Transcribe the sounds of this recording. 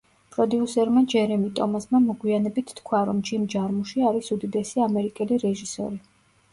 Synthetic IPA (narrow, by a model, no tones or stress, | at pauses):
pʼɾɔd̪iusɛɾmad͡ʒɛɾɛmit̪ʼɔmasmamɔɡwianɛbit̪ʰːkʰwaɾɔmd͡ʒimd͡ʒaɾmuʃiaɾisud̪id̪ɛsiamɛɾikʼɛliɾɛʒisɔ̰ɾi